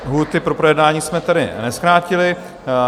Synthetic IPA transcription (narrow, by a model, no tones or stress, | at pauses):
ɦuːt̪ɪpɾo̞pɾojɛdnaːɲiːsmɛt̪adɪ̰nɛskɾaːcɪlɪ